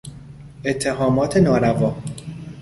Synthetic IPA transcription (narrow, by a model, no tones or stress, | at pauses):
et̪ʰːeɦɒːmɒːt̪ʰe̞nɒːɾævɒː